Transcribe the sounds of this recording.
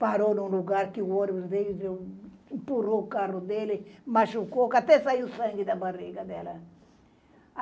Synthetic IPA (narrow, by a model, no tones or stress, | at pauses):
paɾonũluɡaɾkɪoɾbd̪ed | impurokarud̪elɪmaʃukokat̪ɛsaiusɐ̃ŋɡid̪abariɡɐd̪ɛlɐ